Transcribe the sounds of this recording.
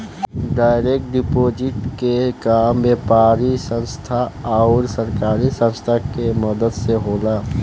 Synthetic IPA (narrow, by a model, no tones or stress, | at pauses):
ɖaːɪɾeːk̚ʈ̚ɖɪpoːd͡ʒɪʈkekaːmʋeːpaːɾisə̃nst̪ʰaaʊɾsəɾkaːɾisə̃nst̪ʰakeməd̪əd̪seɦoːlaː